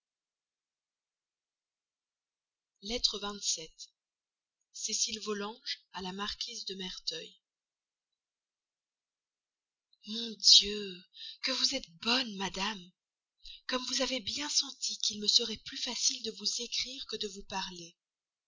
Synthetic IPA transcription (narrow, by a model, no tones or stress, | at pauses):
lɛt̪χəvɛ̃t̪sɛt̪ | sesilvɔlɑ̃ʒalamaʁkʲizd̪əmɛʁt̪œj | mɔ̃d̪jøkəvuzɛt̪̚bɔnmad̪am | kɔmvuzavebjɛ̃sɑ̃t̪ikʲilməsəʁɛplyfasild̪əvuzekχiʁkəd̪əvupaʁle